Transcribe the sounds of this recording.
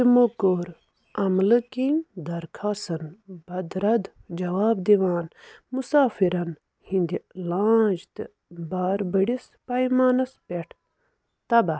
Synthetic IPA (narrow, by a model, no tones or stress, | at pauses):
imokoɾ | ɐmlɨkiŋd̪ɐɾkʰaːsɐnbɐd̪ɾɐd̪d͡ʒɐwaːbd̪iʋaːnmusaːfiɾɐn | hind̪ilãːd͡ʒt̪ɨ | baːɾbəɽis | pɐjmaːnɐspeʈʰ | t̪ɐbɐ